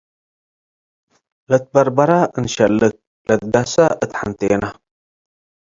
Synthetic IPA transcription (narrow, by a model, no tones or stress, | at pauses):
lɐt̪̚bɐɾbɐɾaɨnʃɐlːɨk̚ | lɐt̪̚ɡasaʔɨt̪ħant̪ʰɐjena